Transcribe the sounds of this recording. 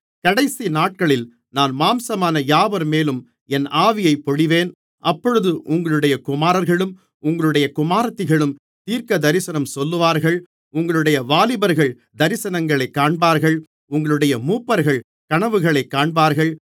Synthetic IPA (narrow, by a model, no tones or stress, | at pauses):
kɐɽɐɪsinaːʈ̚kɐɭɪl | naːnmaːmsɐmaːnɐjaːʋɐɾmeːlɯm | ɛnaːʋɪjɐɪpːɔɽɪʋeːn | ʔɐpːɔɻɯðɯʔʊŋɡɐɭɯɽɐjɐkʊmaːɾɐɾɣɐɭɯm | ʊŋɡɐɭɯɽɐjɐkʊmaːɾɐt̪ːɯɣɐɭɯm | t̪iːɾkɐd̪ɐɾɪsɐnɐmsɔlːɯʋaːɾɣɐɭ | ʊŋɡɐɭɯɽɐjɐʋaːlɪbɐɾɣɐɭ | d̪ɐɾɪsɐnɐŋɡɐɭɐɪkːaːɳbaːɾɣɐɭ | ʊŋɡɐɭɯɽɐjɐmuːpːɐɾɣɐɭ | kɐɳɐʋɯɣɐɭɐɪkːaːɳbaːɾɣɐɭ